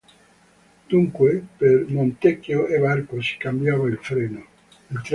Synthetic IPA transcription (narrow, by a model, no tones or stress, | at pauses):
d̪̥uŋkwepeɾmõnt̪ekjoʔeβaɾkoskambjaβaelfɾeno | elt̪ɾ